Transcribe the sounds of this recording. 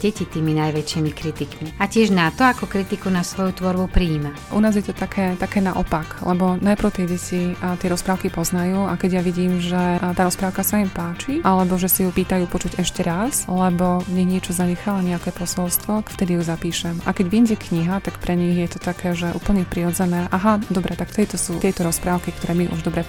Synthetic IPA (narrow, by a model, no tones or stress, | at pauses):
ɟɛcit̪iːminajʋɛt͡ʃiːmikɾit̪ikmiacɪɛʒnat̪ɔakɔkɾit̪ikunasʋɔjut̪ʋɔɾbupɾiːmɛ | ʔṵnaːzjɛt̪ɔt̪akʰɛːt̪akɛːnaʔɔ̰paklɛ̰bɔnajpɾɔʊt̪ɛjɟɛtit̪ɪɛɾɔspɾaːʊkipɔznajuːakɛɟjaʋiɟiːmʒɛt̪aːɾɔspɾaːʊkasaɛmpaːt͡ʃiʔalɛbɔʒɛsajupiːt̪ajuːpɔt͡ʃuɟɛʃcɛɾaslɛbɔɲiɣɲɪɛt͡ʃɔzaɲɛxalaɲɛakɛːpɔsɔlst̪ʋɔft̪ɛd̪ijuzapiːʃɛmʔa̰kɛɟʋiɲɟɛkɲiɦat̪akpɾɛɲiɣjɛt̪ɔt̪akʰɛːʒɛʔṵːpl̩ɲɛpɾiɾɔd͡zɛnɛːʔaɦad̪ɔbɾɛt̪akft̪ɛd̪it̪ɔsuːt̪ɪɛjt̪ɔɾɔspɾaːʊkikt̪ɔɾɛːmiʔṵʒd̪ɔbɾɛ